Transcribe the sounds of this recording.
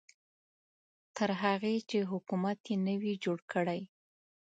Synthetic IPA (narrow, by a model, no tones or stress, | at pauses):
t̪əɾɦaɣet͡ʃeɦʊkumat̪jenəwid͡ʒoɽkəɽaj